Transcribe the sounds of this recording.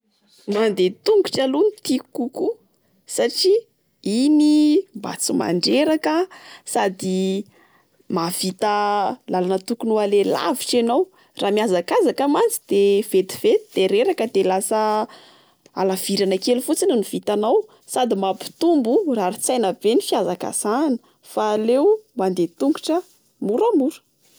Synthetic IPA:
mand̪et̪uŋɡu̥ʈ͡ʂalunit̪ikuku | saʈ͡ʂi | inimba̰t͡sima̰ɳɖ͡ʐeɾakəsad̪i | mavit̪əlalanət̪ukunualela̰viʈ͡ʂenow | raːmiazakazakəmant͡sid̪̥ev̥et̪i̥v̥et̪id̪̥eɾeɾakəd̪elasə | a̰lav̥iɾanakelufut͡sinəniv̥it̪anaw | sad̪imapi̥t̪umburaɾit͡sajnəb̥enifiazaka̰sanə̥ | falewmand̪et̪uŋɡu̥ʈ͡ʂə | muɾəmuɾə̥

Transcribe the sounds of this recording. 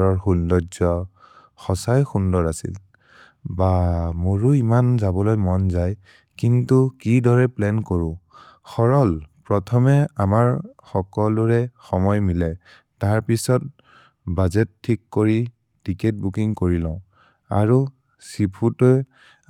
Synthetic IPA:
ɹɔɹxuldɔzɔ | xɔsajxundɔɹasḭl | bamoɹuimanzabɔlojmɔnzaj | kintukidɔɹɛplɛnkoɹʊ̃ | xɔɹɔlpɹɔtʰɔmɛamaɹxɔkɔlʊɹɛxɔmɔjmilɛ | taɹpisɔt̚ | bazɛtʰːikːoɹi | tikɛt̚bukiŋkoɹilɔ̃ʊ̃ | a̰ɹu | sipʰutɔj

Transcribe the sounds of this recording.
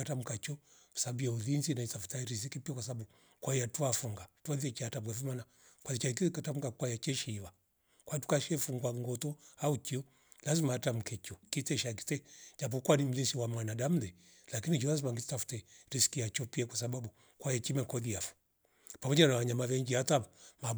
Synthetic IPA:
atam̩kat͡ʃɔkwḁsabuauðinzinaitafu̥taɾis̬ikipiakwasaɓaɓu | kwaijatuafuŋɡatuaðiɛt͡ʃiatam̩kɛfumana | kwaðit͡ʃaik̬iikatam̩kakwajat͡ʃɛʃiːwa | kwatu̥kaʃɛfuŋɡwaŋɡɔtɔaukiɔ | lazimaatam̩kʰɛt͡ʃɔkitɛʃaki̥tɛd͡ʒap̬ɔkwanim̩ðinziwamanaɗam̩ðɛ | lakinid͡ʒɔlazimaŋɡittafu̥tɛɾisi̥kiat͡ʃɔpiakwasabaɓu | kwajat͡ʃimɛkɔðiafu̥ | pamɔd͡ʒanawaɲamavɛŋɡihatama

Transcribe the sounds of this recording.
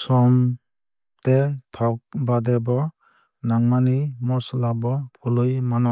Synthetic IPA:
sɔm | t̪etʰak̚badebɔ | naŋmanimɔsɔlabɔpulɯjmanɔ

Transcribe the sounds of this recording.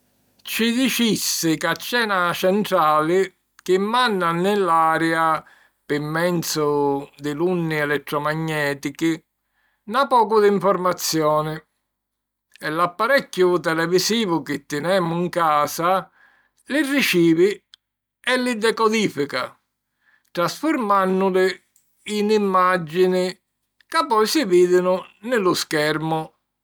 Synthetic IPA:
t͡ʃid̪it͡ʃisːɪkat͡ʃːɛːnat͡ʃɛnt̪ɾaːlɪ | kɪmːanːanːɪlːaːɾɛa | pɪmːɛnt̪sʊd̪ɪlunːiɛlɛt̪ːɾɔmaɲːɛːt̪iki | napɔːkʊd̪iɱfɔɾmat̪sːjɔːnɪ | ɛlːapːaɾɛkːʊt̪ɛlɛvisiːvʊkɪt̪ːɪnɛːmːʊiŋkaːsa | lirːit͡ʃiːvi | ɛlːid̪ɛkɔd̪iːfika | t̪ɾasfʊɾmanːʊlɪ | inimːad͡ʒːinɪ | kapːɔjsɪviːd̪ɪnʊnɪlʊskɛɾmʊ

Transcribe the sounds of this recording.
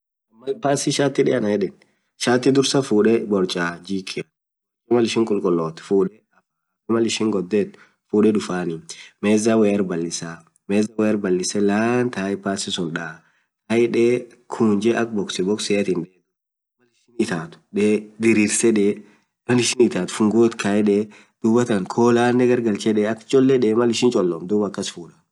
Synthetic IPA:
mːɐlpaːsɪʃaːt̪ːɪᶑɛɐnɐjɛᶑɛn | ʃaːt̪ːɪd̪ʊɾsɐfuːᶑɛbɔɾt͡ʃʼaːd͡ʒiːkʰːɪɐ | ɔmɐlɪʃɪŋkʼʊlkʼʊlːoːt̪fuːᶑɛ | ɐ | mɐlɪʃɪŋɡɔd̪ːɛt̪ | fuːᶑɛᶑʊfaːnɪmeːzawɛːɐɾbɐlːɪsa | meːzɐwɛːɐɾbɐlːɪsɛlaːnt̪aːɪpaːsɪsʊnᶑaː | kɐjᶑeː | kʰuːnd͡ʒɛʔɐk̚bɔksɛbɔksɛɐt̪ɪnᶑeː | mɐlɪʃɪnɪt̪aːt̪ʊ̥ᶑeːd̪ɪɾiːɾsɛᶑe | mɐlɪʃɪnɪt̪aːt̪ʊ̥fʊŋɡoːt̪kʰɐjᶑe | d̪̥uːbɐt̪ɐŋkʰoːlaːnːɛɡɐɾɡɐlt͡ʃɛᶑɛɐkt͡ʃʼɔlːɛᶑɛːmɐlɪʃɪnt͡ʃʼɔlːɔmd̪uːbɐkːɐsfuːᶑɐ̥

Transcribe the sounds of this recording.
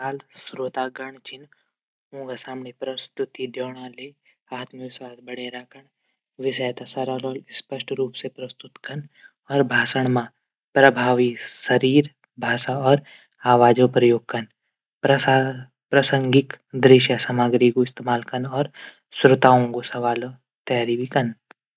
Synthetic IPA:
aːlsɾot̪aːɡɐɳ̃t͡ʃɪn | ũːŋɡasaːmnepɾɐst̪ʊt̪id̪joːɽ̃ãːleː | aːt̪misaːsbɐɽeɾaːkʰəɳ | ʋɪsɐjt̪asɐɾalɔːlɪspɐʃʈɾuːpsepɾɐst̪ʊt̪kɐn | ɔːɾbʱaːsəɳ̃mã | pɾɐbʱaːʋisɐɾiːɾ | bʱaːʃaɔːɾ | aːʋaːd͡ʒopɾɐjoːɡ̚kɐn | pɾɐa | pɾɐsə̃ŋɡɪkd̪ɾɪʃjasamaːɡɾikoɪst̪emaːlkɐnɔːɾ | sɾʊt̪aːõŋɡosɐʋaːlo | t̪ɐjaːɾibikɐn

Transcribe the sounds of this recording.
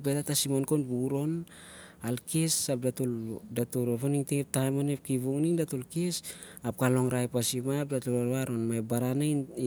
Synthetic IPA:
betatasimonkonbuɾo̞n | alkesap̚datuldatuɾoβoniŋtep̚tajmonep̚kiβuŋniŋdatulkes | ap̚kalo̞ŋɾajpasimap̚datulaɾaɾo̞nmaebaɾana

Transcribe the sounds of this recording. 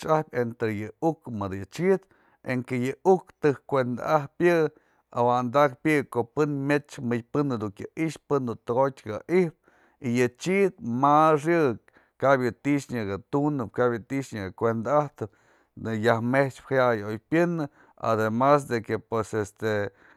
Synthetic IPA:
t͡ʃahpʲent̪ɾejɨukmɨd̪jɨt͡ʃid̪ | eŋkejɨukt̪ɨhkʷend̪a̰ʔahpjɨ | a̰wand̪akpjɨʔkoʔpɨnmʲet͡ʃmɨjpɨnːɨd̪ukjɨʔiʔʃpɨnd̪ut̪ɨɡot̚ʲkaʔihp̚ | ijɨt͡ʃid̪̚masjɨʔ | kabjɨt̪iʔʂɲɨɡat̪unɨp̚kabjɨt̪iʔʂɲɨɡakʷend̪aaht̪ɨp̚ | jahmeht͡ʃphajajojpjɨnɨ | a̰d̪emas̬d̪ekepwesest̪e

